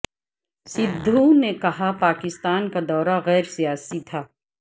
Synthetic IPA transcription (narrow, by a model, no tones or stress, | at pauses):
sɪd̪ʱːunekɐɦapaːkɪst̪aːnkad̪ɔːɾaɣɛːɾsijaːsit̪ʰaː